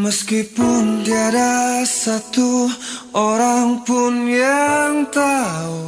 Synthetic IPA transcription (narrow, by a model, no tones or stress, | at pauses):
məskipʊndiadasat̪u | oɾaŋpʊnjaŋt̪au